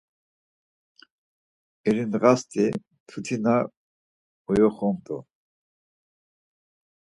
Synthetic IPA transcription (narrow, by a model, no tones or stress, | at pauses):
ɛɾinʁast̪ʰʼi | t̪ʰut̪ʰina | ɔjɔχɔmt̪ʼɔ̰